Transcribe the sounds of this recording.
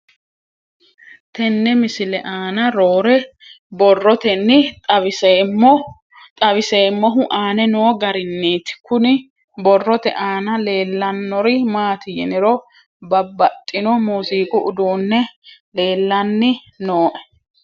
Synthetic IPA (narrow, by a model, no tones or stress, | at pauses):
t̪ɛnːɛmɪsɪlɛʔaːnɐɾoːɾɛ | bɔrːɔt̪ɛnːɪt̪ʼɐbɪse | t̪ʼɐβɪse̞ːmːɔɦʊʔaːnɛnoːɡɐɾɪnːeːt̪ɪ̥kʊnɪ | bɔrːɔt̪ɛ̰ʔaːnɐle̞ːlːɐnːɔɾɪmaːt̪ɪjɛnɪɾɔ | bɐbːɐt̪ʼːɪnɔmuːziːkʼʊʔʊd̪uːnːɛle̞ːlːɐnːɪ | noːʔɛ̥